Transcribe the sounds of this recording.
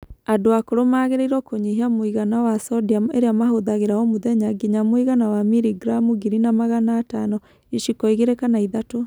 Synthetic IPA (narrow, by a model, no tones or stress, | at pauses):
adoakoɾomaːɣeɾeiɾwɔkoɲiɦiamoiɣanawasɔdiameɾeamaɦoðaɣeɾaɔmoðɛɲaɡiɲamwiɣanawamiɾiɡɾamuɡiɾinamaɣanaːtanɔ | iʃikɔiɣeɾekanaiðato